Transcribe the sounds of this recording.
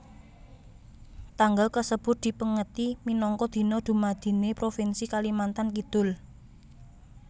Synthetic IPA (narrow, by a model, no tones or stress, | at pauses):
t̪aŋɡalkəsəb̥ʊ̤t̪̚d̥̪i̤pəŋət̪iminɔŋkɔd̪̥i̤nɔd̪̥ṳmad̪̥i̤nepɾofinsikalimant̪ank̬id̪̥ʊ̤l